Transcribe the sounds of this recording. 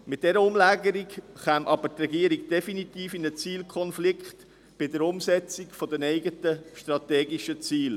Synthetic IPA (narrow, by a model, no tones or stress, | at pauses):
mɪt̚d̥ɛɾəʊmlæːɡəɾikχæːmʔɑbəɾtrɛɡiəɾikd̥ɛfinit̪iːfɪnət͡siːlkʰχɔnflɪkχt̪ | b̥ɪdəɾʊmsɛt͡sikfɔd̪ənɛɪɡətəʃt̪ɾɑt̪ɛːɡiʃət͡siːl